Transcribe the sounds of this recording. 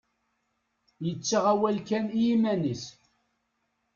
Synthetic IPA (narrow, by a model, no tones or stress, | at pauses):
jət͡sːaʁæwælkæniimænis